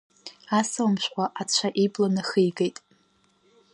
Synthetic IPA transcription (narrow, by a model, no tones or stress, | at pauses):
asɨlmʃʷᶣqʷaʔat͡ɕʷʰaʔiblanɨχijɡejtʼ